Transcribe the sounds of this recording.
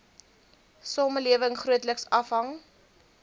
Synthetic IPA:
sɑːməliəvəŋχruətləksɐfɦɐŋ

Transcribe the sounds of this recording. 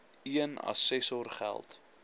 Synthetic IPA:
iənɐ̰sɛsɔrχæ̰lˠt

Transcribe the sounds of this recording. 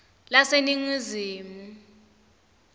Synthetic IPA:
laseniŋiziːmu

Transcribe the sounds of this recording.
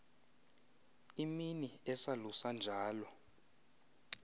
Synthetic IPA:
iminiɛsalusand͡ʒʱaːlɔ

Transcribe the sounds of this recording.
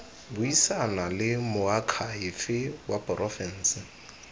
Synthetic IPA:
bʊisanalɪmʊakʰaɪfɪwapʼrɔfɛn̩sɪ

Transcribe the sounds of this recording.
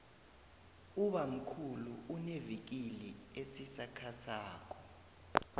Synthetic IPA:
uɓam̩kʰuluunevik̬iliesisakʰasaːkʰɔ̥

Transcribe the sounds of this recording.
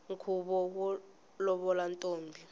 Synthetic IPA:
ŋkʰuɓɔwɔ | lɔɓɔlantʼoːmbʱi

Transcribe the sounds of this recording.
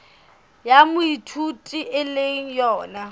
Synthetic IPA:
jamʊitʰutʼiʔɪleŋ̩jɔːna

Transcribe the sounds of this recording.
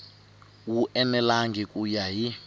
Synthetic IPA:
wuʔɛnɛlaŋɡikʼujaɦi

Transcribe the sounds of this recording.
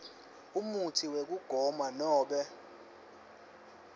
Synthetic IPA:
umutʰiwek̬uɡ̥ʱɔmanɔːɓɛ

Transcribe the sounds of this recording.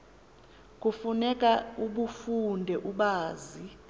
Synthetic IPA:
k̬ʼufunɛkʼauɓufundʱɛʔuɓaːzi

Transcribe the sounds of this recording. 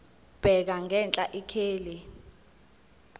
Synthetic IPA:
b̥ʱɛk̬aŋʱɛnt͡ɬʼaʔikʰeːli

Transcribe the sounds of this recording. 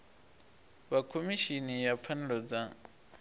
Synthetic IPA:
βakʰomiʃinijap̪fʰanɛɺɔd͡za

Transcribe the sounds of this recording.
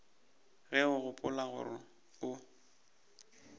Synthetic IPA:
ɣɛʊɣʊpʼʊlaɣʊ̰rɪ | ʊ

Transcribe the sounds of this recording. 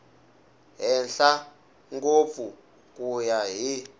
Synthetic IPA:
ɦɛnɬa | ŋɡop̪fu | kujaɦi

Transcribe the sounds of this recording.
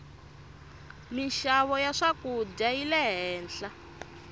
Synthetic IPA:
miʃaβɔjaʂakud͡ʒajilɛɦɛːnɬa

